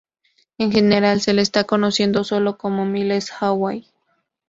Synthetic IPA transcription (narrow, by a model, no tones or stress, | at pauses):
eŋxeneɾalseleːst̪akonosjend̪osolokomomilesxawaj